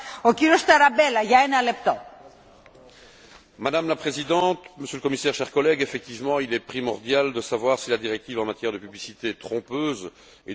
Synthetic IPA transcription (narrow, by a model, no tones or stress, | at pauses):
ociɾiost̪ɐɾɐbelɐʝɐɛnɐlep̚t̪o | mad̪amlapχezid̪ɑ̃t̪məsjøləkɔmisɛːʁʃɛʁkɔlɛɡefɛk̚t̪ivmɑ̃ilɛpχimɔʁd̪jald̪əsavwaʁsilad̪iʁɛk̚t̪iːvɑ̃mat̪jɛʁd̪əpyblisit̪eɛt̪χɔ̃pøːz | e